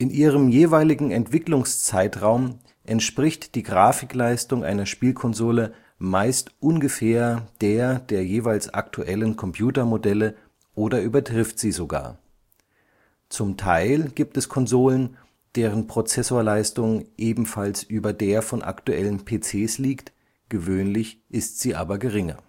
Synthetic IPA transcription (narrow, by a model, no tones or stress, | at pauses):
ʔɪnʔiːʁəmjeːvaɪlɪɡŋ̩ɛntv̥ɪklʊŋst͡saɪtʁaʊm | ʔɛntʃpʁ̥ɪçtd̥iːɡʁaːfɪklaɪstʊŋʔa̰ɪnɐʃpiːlkʰɔnzoːlə | maɪstʔʊnɡəfeːɐd̥eːɐdeːɐjeːvaɪlsʔa̰ktʰuʔɛlənkʰɔmpʰj̥uːtɐmodɛlə | ʔoːdɐʔyːbɐtʁ̥ɪftz̥iːzoɡa̰ːɐ | t͡sʊmtʰaɪlɡiːp̚tɛskʰɔnzoːlən | d̥eːʁənpʁ̥ot͡sɛsoːɐlaɪstʊŋʔeːbm̩falsʔyːbɐdeːɐfɔnʔa̰ktuʔɛlənpʰeːt͡seːsliːkt | ɡ̥əvøːnlɪçʔɪstz̥iːʔaːbɐɡəʁɪŋɐ̰